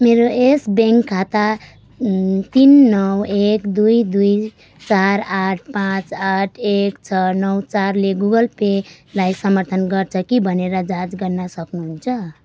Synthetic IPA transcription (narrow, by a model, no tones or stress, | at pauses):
meɾoesbeŋkʰːat̪a | t̪inːʌwekd̪ujd̪uj | t͡saɾaʈ̚ʰpãt͡saʈʰekt͡sʰʌnʌwt͡saɾleɡuɡʌlpe | lajsʌmʌɾt̪ʰʌnɡʌrt͡sʰʌkibʱʌneɾʌd͡zãd͡zɡʌɾnʌsʌknuɦunt͡sʰʌ